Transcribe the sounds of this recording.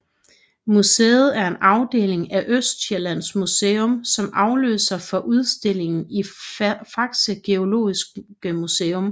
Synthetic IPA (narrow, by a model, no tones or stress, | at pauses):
musḛːð̞̩ˠæɐe̝nʔɑ̈ʊd̥e̝̰ːle̝ŋæʔøsd̥ɕelæn̰smuseːɔmsɒ̽mɑ̈ʊlø̰ːsɐfɒ̽ʔuð̞ˠsd̥e̝l̰e̝ŋn̩ifɑ̈ɡ̥səɡ̥e̝o̝lo̝̰ːisɡ̥ɡ̥əmuseːɔm